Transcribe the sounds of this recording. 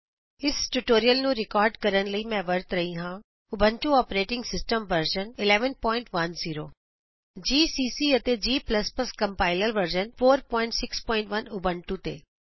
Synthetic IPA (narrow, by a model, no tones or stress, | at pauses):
ɪsʈuʈoːɾijəlnũːɾɪkɔːɾɖkɐɾənləimɛ̃ʋɐɾt̪ɾɐɦĩɦãː | ʊbʱə̃ɳʈuɔːpɾeːʈɪ̃ŋɡsɪsʈəmʋəɾd͡ʒənɪlɛːʋənpɔːɪ̃ɳʈʋɐnziːɾoː | d͡ʒiːsiːsiɐt̪ed͡ʒiːplɐspɐskɐ̃mpaːɪləlʋəɾd͡ʒənfoːɾpɔːɪ̃ɳʈsɪkspɔːɪ̃ɳʈʋɐnʊbʱəɳʈut̪ḛː